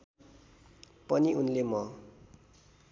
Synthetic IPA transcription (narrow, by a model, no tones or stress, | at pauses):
pʌniunlemʌ